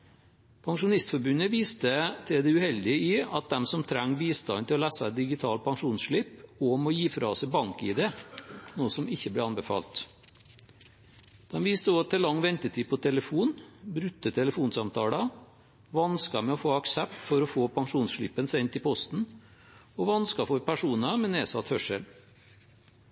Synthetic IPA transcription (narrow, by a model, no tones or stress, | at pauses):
pʰɑŋʂʊnɪst̪fɔɾbʉnəʋiːst̪ət̪ʰɪd̪ɛʉhɛld̪ɪəiɑ̰t̪̚d̪ɛmsɔmt̪ʰɾæŋːʋiːst̪ɑ̰nt̪ɪlɔlæːsəd̪ɪɡɪt̪ʰɑːlpʰɑŋʂuːnsʂɭɪpɔmɔjiːfɾɑ̰ɔsɛbɑŋkḭːd̪ɛnuːəsɔmɪçːəblɛːɑnbəfɑ̰ːlt̪ | d̪̥ɛnʋiːst̪əɔt̪ʰɛlɑŋːʋɛnt̪ət̪ʰiːpʰɔt̪ʰɛləfuːnbɾʉt̪ːət̪ʰɛləfuːnsɑmt̪ʰɑːlɑ | ʋɑnskɑmɛɔfoːɑksɛpt̪fɔɾɔfoːpʰɑŋʂuːnsʂɭɪpːənsɛnt̪ɪpʰɔst̪n̩ | ɔʋɑnskɑfɔɾpʰæʂuːnɑmɛneːsɑt̪hœʂəl